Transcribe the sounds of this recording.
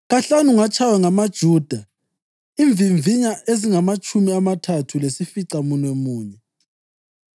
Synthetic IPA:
ɣaɬanuŋat͡ʃʰawɛŋamad̥ʒ̥ʱuːd̥ʱa | iɱb̪vʱiɱvʱiɲaʔeziŋamat͡ʃʼʰumiamatʰatʰulesifiǀamunwɛmuːɲɛ

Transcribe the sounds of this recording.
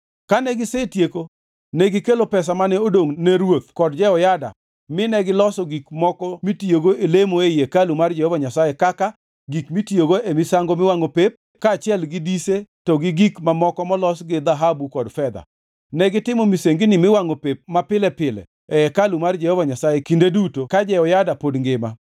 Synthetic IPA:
kanɛɡɪsetjeko | nɛɡɪkelopɛs̬amanɛodoŋnɛɾwot̪̚kɔdd͡ʒɛɔjada̰ | mɪnɛɡɪlɔsɔɡikmɔkɔmitjoɡoelemoejekalumard͡ʒɛhɔvaɲasajekaka | ɡikmitjoɡoemɪsaŋɡomɪwaŋopep̚ | kaːt͡ʃɪɛlɡɪdisetɔɡɪɡikmamɔkɔmɔlɔsɡɪd̪aɦabukɔdfɛd̪a̰ | nɛɡɪtɪmɔmiseŋɡɪnɪmɪwaŋopep̚mapɪlɛpɪlɛ̰ | ɛɛkalumard͡ʒɛhɔvaɲasajekindedutokad͡ʒɛɔjadapodŋɡɪma̰

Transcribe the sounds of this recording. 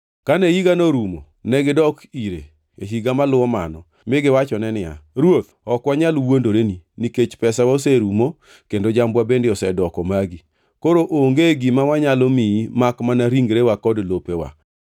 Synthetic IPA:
kanejiɡanoɾumo̰ | nɛɡɪdɔkiɾḛ | eɦiɡamalʊwɔma̰nɔ | mɪɡɪwat͡ʃɔnɛnɪja̰ɾwot̪ɔkwaɲalwondoɾeniniket͡ʃpɛsawaseɾumo | kendod͡ʒambwabendeɔsɛdɔkɔmaɡi | koɾoʔoŋɡeɡimawaɲalomiimakmanaɾiŋɡɾewakɔdlopewa̰

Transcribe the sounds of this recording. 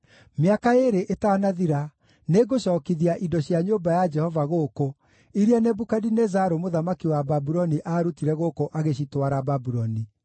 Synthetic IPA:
meakaeɾeʔetanaðiɾa | neɡoɕɔːkiðiaʔidɔɕjaɲoːbajad͡ʒɛhɔvaɣoːko | iɾianebukadinɛzaɾomoðamakiwababuɾɔniʔaːɾutiɾɛɣokoʔaɣeɕitwaɾababuɾɔni

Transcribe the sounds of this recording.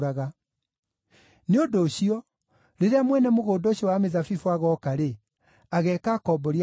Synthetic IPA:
ɾaɣa | neodoːɕiɔ | ɾeɾeamwɛnɛmoɣoːdɔɕiɔwamezafifoaɣɔkaɾe | aɣɛːkakɔbɔɾi

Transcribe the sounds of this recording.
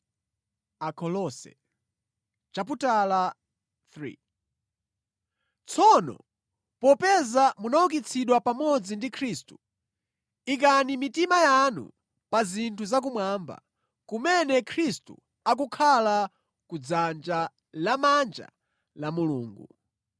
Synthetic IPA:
akʰɔlɔsɛ̰ | t͡ʃaputala | θɾḭ | t͡sʰɔnɔ̰ | pɔpɛzamunauk̬it͡sʰiɗwapamɔd͡zindikʰɾistu̥ | ik̬animitimajanṵ | pazintʰuzak̬umwaːmba̰ | kumɛnɛkʰɾistṵ | ak̬ukʰala | kud͡zand͡ʒa | lamand͡ʒa̰ | lamulṵːŋɡṵ

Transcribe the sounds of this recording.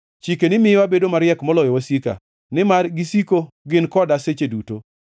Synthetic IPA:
t͡ʃikenɪmɪwabedomaɾjɛkmɔlɔjɔwasika̰ | nɪmarɡisiko | ɡɪnkɔdaset͡ʃeduto

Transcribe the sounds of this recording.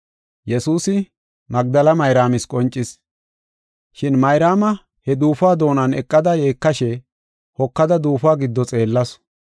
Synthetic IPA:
jɛsuːsɪ | mɐɡ̚d̪ɐlɐmɐjɾaːmɪskʼɔnt͡ʃʼːɪs | ʃɪnmɐjɾaːmɐ | hɛd̪uːfaːd̪o̞ːnɐnɛkʼːɐd̪ɐje̞ːkːɐʃɛ | hɔkːɐd̪ɐd̪uːfaːɡɪd̪ːɔt͡sʼe̞ːlːɐs

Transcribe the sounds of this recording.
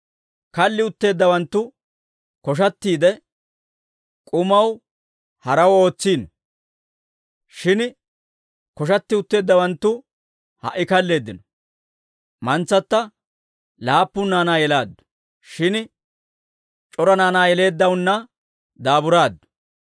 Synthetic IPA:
kɐlːɪʊt̪ːe̞ːd̪ːɐwɐnt̪ːʊ | kɔʃ̬ɐt̪ːiːd̪ɛ | kʼʊmɐw | hɐɾɐwo̞ːt͡sːiːnɔ | ʃɪn | kɔʃ̬ɐt̪ːɪʊt̪ːe̞ːd̪ːɐwɐnt̪ːʊ | hɐ̰ʔːɪkɐlːe̞ːd̪ːɪnɔ | mɐnt͡sːɐt̪ːɐ | laːpːʊnːaːnaːjɛlaːd̪ːʊ̥ | ʃɪn | t͡ʃʼɔɾɐnaːnaːjɛle̞ːd̪ːɐwʊnːɐ | d̪aːbʊɾaːd̪ːʊ̥

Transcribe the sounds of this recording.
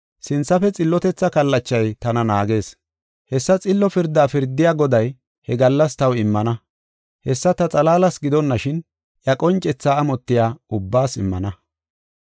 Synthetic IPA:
sɪnt͡sːɐfɛt͡sʼɪlːɔt̪ɛt͡sːɐkɐlːɐt͡ʃːɐjt̪ɐnɐnaːɡe̞ːs | hɛsːɐt͡sʼɪlːɔfɪɾd̪aːfɪɾd̪ɪjaːɡɔd̪ɐj | hɛɡɐlːɐst̪ɐwɪmːɐnɐ | hɛsːɐt̪ɐt͡sʼɐlaːlɐsɡɪd̪ɔnːɐʃɪn | ʔjɐkʼɔnt͡ʃʼɛt͡sːaːmɔt̪ːɪjaːʊbːaːsɪmːɐ̰nɐ

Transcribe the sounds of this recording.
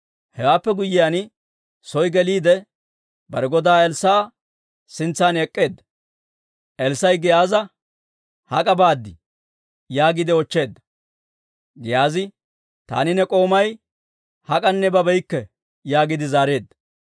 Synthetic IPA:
hɛwaːpːɛɡʊjːɪjan | sɔjɡɛliːd̪ɛ | bɐɾɛɡɔd̪aːɛlsaː | sɪnt͡sːaːnɛkʼːe̞ːd̪ːɐ̥ | ʔɛlsɐjɡɪjaːzɐ | hɐ̰kʼɐbaːd̪ːɪ | jaːɡɪd̪ɪɔt͡ʃːe̞ːd̪ːɐ̥ | ɡɪjaːzɪ | t̪a̰ːnɪnɛkʼo̞ːmɐj | hɐkʼɐnːɛbɐbɛjkːɛ | jaːɡɪd̪ɪzaːɾe̞ːd̪ːɐ

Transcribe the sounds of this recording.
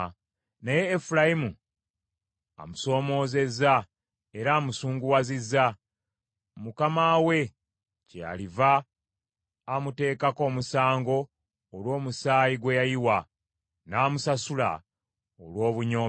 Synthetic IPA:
neje̞ːfulajimu | a̰muso̞ːmo̞ːze̞za | e̞ɾaːmusuːŋɡuwazizːa | mukamaːwe̞ | ca̰liva | mute̞ːkako̞ːmusaːŋɡo̞ː | lwo̞ːmusaːjiɡwejajiwa | naːmusasula̰ | olwo̞ːβuɲoː

